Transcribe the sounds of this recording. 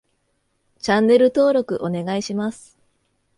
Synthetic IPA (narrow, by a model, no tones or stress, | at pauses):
t͡ɕãnːe̞ɾɯ̟t̪o̞ːɾo̞kɯ̟ʔo̞ne̞ɡaiɕimasɨ̥